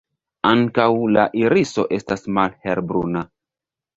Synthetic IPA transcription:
aŋkawlaʔiɾiso̞ʔe̞stasmalhe̞ɾbɾṵna

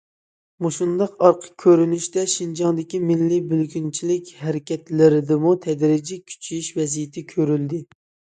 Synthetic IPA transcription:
moʃund̪ɑqɑɾqʰə̥kʲʰːøɾynyʃt̪ɛʃind͡ʒɑŋd̪ɪkʲimɪlːibylɡʲynt͡ʃʰilɪkʲhɛɾɪkʲʰɛt̪lɪɾɪd̪ɪmut̪ʰɛd̪ɾɪd͡ʒikʲʰy̥t͡ʃʰyjiʃvɛzijɪt̪ʰɪkʲʰøɾyld̪ɪ

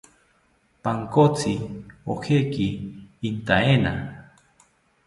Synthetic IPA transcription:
paŋkot͡sio̰hekiːnt̪aena̰

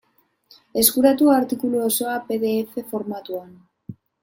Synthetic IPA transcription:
e̞skuɾat̪uaɾt̪ikuluoso̞ape̞ðe̞ːfe̞fo̞ɾmat̪uan

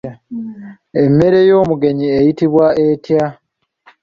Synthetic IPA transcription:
e̞mːe̞ɾe̞jo̞ːmuɡe̞ɲiejitiβwaʔetja

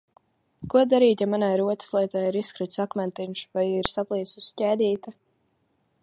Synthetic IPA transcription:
kuɔd̪aɾiːt̪jamanajɾuɔt̪ḁslˠiɛt̪aːiɾiskɾɨt̪sakmɛnt̪inʃvajiːɾsaplˠiːsuscʲɛːd̪ʲiːt̪a

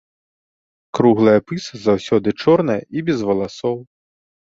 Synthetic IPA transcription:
kɾuɣlˠɐjɐpɨsɨzawsʲɔd̪ɨt͡ʂɔrnɐjɐibʲɛzvɐlˠasɔw

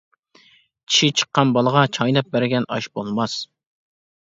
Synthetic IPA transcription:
kʲʰi̥ʃit͡ʃʰə̥qːɑnbɑlˠəʁɑt͡ʃʰɑjlˠɑp̚bæɾɡʲɛnɑ̰ʃbolˠmɑs

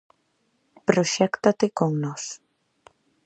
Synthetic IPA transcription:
pɾoʃɛkt̪at̪ekoŋnos

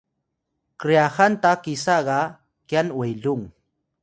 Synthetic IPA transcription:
kɾijahant̪akɪsɑɢɑ | kjanwajlʊŋ

